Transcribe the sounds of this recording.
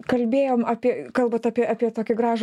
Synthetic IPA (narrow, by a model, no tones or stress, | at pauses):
kɐlʲbʲeːjoːmɑːpʲiɛkɐlˠbɐt̪ɑːpʲiɛɑːpʲiɛt̪oːkʲɪɡɾɑːʒ